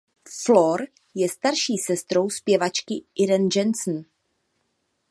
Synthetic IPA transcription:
floɾ | jɛst̪aɾʃiːsɛst̪ɾo̞wspjɛvat͡ʃkɪʔɪɾɛnd͡ʒɛnsn̩

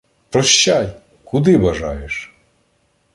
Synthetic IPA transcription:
pɾɔʃt͡ʃːaj | kʊd̪ɪʋɐʒɑ̰jeʃ

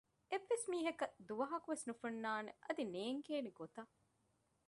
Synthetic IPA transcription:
eʋːesmiːɦɐkɐd̪uʋɐɦɐkuʋesnufunːaːnḛʔɐd̪ineːŋkeːniɡot̪ɐ

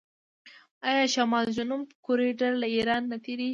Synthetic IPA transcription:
ɑjɑʃamɑld͡ʒʊnumpkoɾiɖaɾlaiɾɑnːat̪eɾi

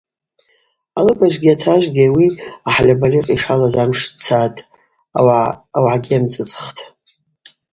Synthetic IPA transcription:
alɨkʼaʒʷɡʲiatʰaʒʷɡʲawiaħlʲabaliqʼiʂalazamʂt͡sʰatʼ | awʕaɡʲamt͡sʼɨt͡sʼχtʰʼ

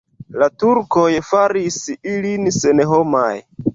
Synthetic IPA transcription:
latuɾko̞jfaɾisilinse̞neɦo̞maj

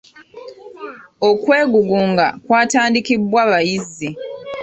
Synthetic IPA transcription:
okwe̞ːɡuɡuːŋɡakwaːtaːndikibwaβajizːi

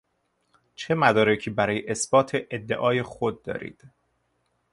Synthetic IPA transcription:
t͡ʃʰe̞mæd̪ɒːɾecʰiːbæɾɒːjeʔesbɒːt̪ʰeʔed̪ːe̞̰ʔɒːje̞xod̪̚ːɒ̰ːɾḭːd̪̥

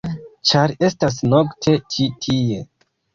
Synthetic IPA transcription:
t͡ʃaɾe̞stas̬noktʰe̞t͡ʃitʰie̞

